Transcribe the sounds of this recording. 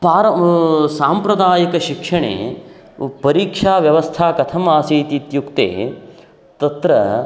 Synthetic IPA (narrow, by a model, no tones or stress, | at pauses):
paːɾɐsaːmpɾɐd̪aːjikɐʃikʂɐɳḛː | pɐɾiːkʂaːʋjɐʋɐst̪ʰaːkɐt̪ʰɐmaːsiːt̪it̪jukt̪ḛː | t̪ɐt̪ɾɐ̰